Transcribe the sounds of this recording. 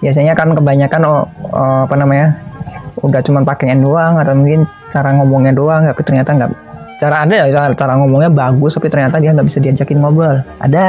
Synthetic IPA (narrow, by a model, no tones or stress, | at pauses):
jas̬aɲakankəbaɲakanɔə̰apanamaɲa | udaht͡ʃumanpakɛandoaŋadamuŋkɪn | t͡ʃaɾaŋɔmɔŋɲadoaŋt̪apit̪ərɲat̪aŋɡa̰ʔ | t͡ʃaɾaːdajaat͡ʃaɾaŋɔmɔŋɲabaɡʊst̪apit̪ərɲat̪adiaŋɡaʔbisadiad͡ʒakɪnŋobalʔa̰da